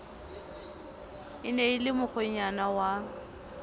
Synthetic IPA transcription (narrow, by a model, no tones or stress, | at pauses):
ɪneɪlɪmʊχʊɲ̩anawa